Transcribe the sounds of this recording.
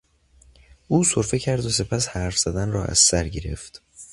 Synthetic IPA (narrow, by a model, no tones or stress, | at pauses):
ʔuːsoɾfe̞cʰæɾd̪os̬e̞pʰæshæɾfz̥æd̪ænrɒːʔæ̰z̥sæɾɟe̞ɾe̞̰ft̪